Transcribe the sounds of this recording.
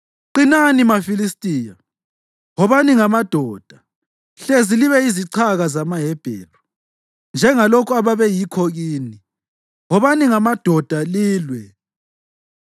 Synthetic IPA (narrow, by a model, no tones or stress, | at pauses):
ǃinanimafilistʼiːja | ɦɔβaniŋamad̥ʱɔːd̥ʱḁ | ɬeziliβɛiziǀʰaɣazamaɦɛb̥ʱɛ̰ːlɔ | nd͡ʒʱɛŋalokʰuaβaβɛjikʰɔɣiːni | ɦɔβaniŋamad̥ʱɔd̥ʱaliːlwɛ